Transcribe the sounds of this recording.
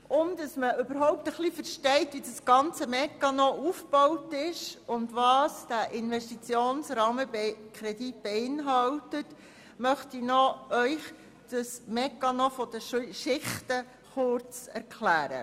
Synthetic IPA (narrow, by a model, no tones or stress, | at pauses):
ʊmd̥ɑsməʔʏbəɾɦɔʊp̚təχlifəɾʃtɛɪtʋidɑsɡ̥ɑnt͡səmɛkːɑnɔʔufb̥ɔwtɪʃʊndʋɑːsd̥æʔɪnʋɛʃtit͡sjoːnsɾɑːməbekʰɾɛdit̚b̥eɪnɦɑltət | mœχtinɔœʏχ | d̥ɑsmɛkːɑnɔfɔd̥əʃɪχtə | χʊɾt͡sɛɾkʰlæːɾə̰